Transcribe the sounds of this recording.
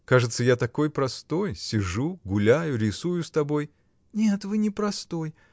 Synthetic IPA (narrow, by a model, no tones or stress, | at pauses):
kaʐɨt̪səjat̪ɐko̞jpɾɐst̪o̞jsʲɪʐuɡʊlʲajʊɾʲɪsujʊst̪ɐbo̞j | nʲet̪vɨnʲɪpɾɐst̪o̞j